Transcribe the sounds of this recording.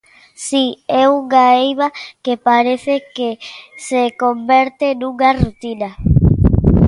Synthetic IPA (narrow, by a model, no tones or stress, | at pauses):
siɛuŋaejβakepaɾeθekesekombeɾt̪enuŋarut̪ina